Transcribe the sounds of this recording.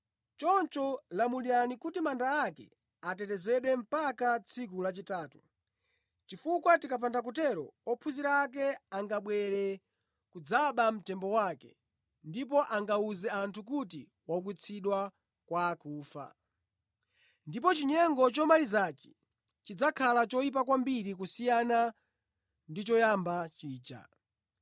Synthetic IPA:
t͡ʃɔnt͡ʃɔlamuliɾanikutimandaːkɛ̰ | atɛtɛzɛɗwɛm̩pakat͡sʰik̬ulat͡ʃitaːtu̥ | t͡ʃifukwatikap̬ʰandak̬utɛɾɔ̰ɔpʰuziɾak̬ɛaŋɡaɓwɛɾɛ | kud͡zaɓam̩tɛmbɔwakɛ̰ | ndipɔʔaŋɡauzɛantʰuk̬ut̬i | wak̬wit͡sʰiɗwa | kwakuːfa̰ | ndipɔt͡ʃiɲɛŋɡɔt͡ʃɔmalizat͡ʃi̥ | t͡ʃid͡zakʰalat͡ʃɔip̬akwambiɾik̬usijana | ndit͡ʃɔjambat͡ʃiːt͡ʃa̰

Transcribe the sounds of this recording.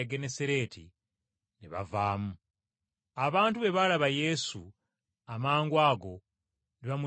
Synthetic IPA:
ɡeneseɾe̞ːtʰḭ | niβa̰vaːmu | aβaːntuβe̞βalaβaje̞su | amaːŋɡwaːɡo̞ | niβamu

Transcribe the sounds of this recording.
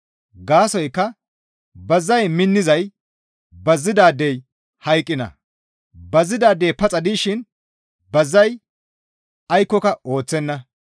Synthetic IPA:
ɡaːsɔjkːɐ | bɐzːɐjmɪnːɪzɐj | bɐzːɪd̪aːd̪ːɛj | hɐjkʼːɪnɐ̰ | bɐzːɪd̪aːd̪ejpɐt͡sʼɐd̪iʃɪn | bɐzːɐj | ɐjkːɔkɐo̞ːt͡sːɛnːɐ

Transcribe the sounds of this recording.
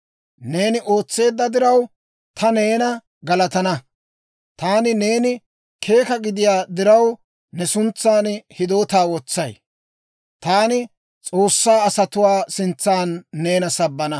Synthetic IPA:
ne̞ːnɪʔoːt͡sːe̞ːd̪ːɐd̪ɪɾɐw | t̪ʰɐne̞ːnɐ | ɡɐlɐt̪ɐnɐ | t̪aːnɪne̞ːnɪ | kʰe̞ːkɐɡɪd̪ɪjaːd̪ɪɾɐw | nɛsʊnt͡sːaːnhɪd̪o̞ːt̪aːwɔt͡sːɐj | t̪aːnɪ | t͡sʼo̞ːsːaːɐsɐt̪ʊwaːsɪnt͡sːaːnːe̞ːnɐsɐbːɐnɐ

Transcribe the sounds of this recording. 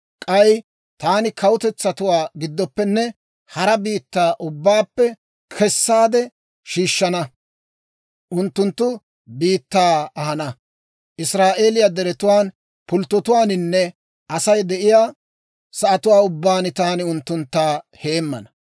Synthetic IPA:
kʼɐj | t̪aːnɪkʰɐwʊt̪ɛt͡sːɐt̪ʊwaːɡɪd̪ːɔpːɛnːɛ | hɐɾɐbiːt̪ːaːʔʊbːaːpːɛ | kʰɛsːaːd̪ɛ | ʃiːʃːɐnɐ | ʔʊnt̪ːʊnt̪ːʊ | biːt̪ːaːɐhɐnɐ | ʔɪsɾaːʔe̞ːlɪjad̪ɛɾɛt̪ʊwaːn | pʊlt̪ːɔt̪ʊwaːnɪnːɛ | ʔɐsɐjd̪ɛʔɪjaː | sɐʔɐt̪ʊwaːʊbːaːnɪt̪aːnɪʊnt̪ːʊnt̪ːaːhe̞ːmːɐ̰nɐ

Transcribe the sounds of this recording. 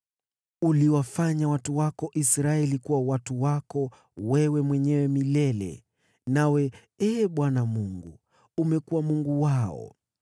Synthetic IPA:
uliwafaɲawatuwakɔʔisɾaɛlikuwawatuwakɔ | wɛwɛmwɛɲɛwɛmilɛlɛ̰ | nawɛ | ɛːɓwanamuŋɡṵ | umɛkuwamuŋɡuwaɔ̰

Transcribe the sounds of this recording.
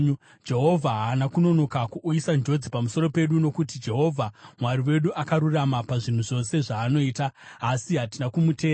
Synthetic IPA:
d͡ʒe̞ɦo̞vʱaɦanakuno̞no̞kakuʔuisand͡ʒo̞d͡zipamuso̞ɾo̞pe̞ɗuno̞kutid͡ʒe̞ɦo̞vʱamwariwe̞ɗuʔakaɾuramapaʐin̤uʐo̞se̞ʐaːno̞iːtaːsiɦatinakumuteː

